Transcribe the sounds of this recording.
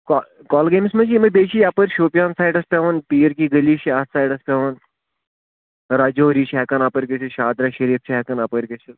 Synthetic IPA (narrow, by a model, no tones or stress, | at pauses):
kɔ | kɔːlɡeːmismɐt͡ʃʰimɐbeːʃʰijaːpəɾʃoːpʲjaːnsaːjɖɐspʲɛʋɐnpiːjəɾkiɡəliːʃiassaːjɖɐspʲɛːʋɐn | ɾaːd͡ʒoːɾiːʃʰɛːkɐnaːpəɾkʲet͡ʃʰeʃaːd̪ɾaʃɐɾiːft͡ʃʰɛkɐnapəɾkʲet͡ʃʰɐ